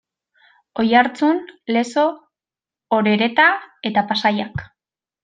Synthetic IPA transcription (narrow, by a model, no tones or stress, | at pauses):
o̞jaɾt͡sunle̞so̞ː | ɾe̞ɾe̞t̪ae̞t̪apasajak